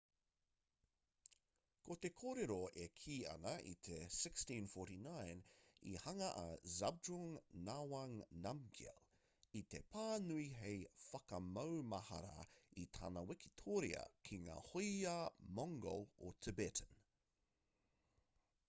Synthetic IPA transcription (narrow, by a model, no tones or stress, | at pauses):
kot̪ekʰoɾeɾoekʰiːɐ̰nɐʔḭt̪ʰesɪkstĩnfoɾinajnḭhɐŋɐʔɐ̰zab̚duŋnawɐŋnamɡḭl | it̪epʰaːnuiɦejfɐkɐmɐwmɐhɐ̰ɾa̰it̪ʰa̰ːnɐwɛki̥t̪ʰoːɾḭɐ̰kʰiŋa̰ːhojamɔŋɡo̰lot̪ʰəbetʰən